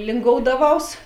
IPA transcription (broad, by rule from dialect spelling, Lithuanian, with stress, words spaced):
lʲɪŋˈɡoːʊdɐˌʋɐʊs